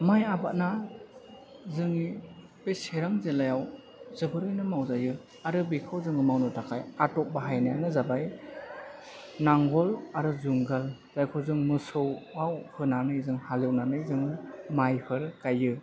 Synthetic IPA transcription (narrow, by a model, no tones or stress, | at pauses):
majabat̚na | zɯŋi | beseɾaŋzelajaw | zɯbɯɾɯjnɯmawzajɯ | aɾɯbikʰawzɯŋɯmawnɯtʰakʰajatɔk̚baɦajnajanɯzabaj | naŋɡɔlaɾɯzuŋɡal | z̥ajkʰɯwzɯŋmɯsɯwawhɯnanɯzɯŋhalɯwnanɯzɯŋmajpʰɯɾkajːɯ